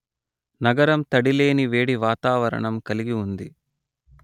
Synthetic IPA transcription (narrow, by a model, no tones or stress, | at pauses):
nɐɡɐɾɐmt̪ɐɽile̞ːniʋe̞ːɽiʋaːt̪aːʋɐɾɐ̰ɳɐmkɐliɡiund̪i